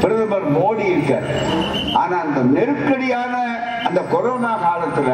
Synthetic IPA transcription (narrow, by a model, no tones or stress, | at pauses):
pɪɾɯðɐmɐɾmoːɽiɪɾɯkːa̰ːɾ | ʔa̰ːnaːɐnd̪ɐnɛɾɯkːɐɽɪjaːnɐ | ɐnd̪ɐkɔɾoːnaːkaːlɐt̪ːɯkːɐ